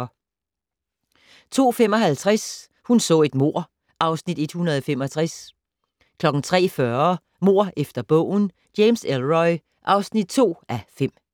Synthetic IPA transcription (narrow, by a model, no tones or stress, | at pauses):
t͡sʰo̝̰ːfem̰ɒ̽ɦælt͡sʰʁas | hunsɔ̰̽ːe̝d̥mo̝ɐ̰ | ʔɑ̈ʊsnid̥e̝d̥hunɐðˠɒ̽fem̰ɒ̽t͡sʰʁas | kʰlɒ̽ɡ̥n̩t͡sʰʁɛ̰ːfɶɐ | mo̝ɐ̰ʔefd̥ɐb̥ɔ̰̽ːʊ̰n̩ | d̥jemselʁɒɪ | ʔɑ̈ʊsnid̥̚t͡sʰo̝̰ːæfem̰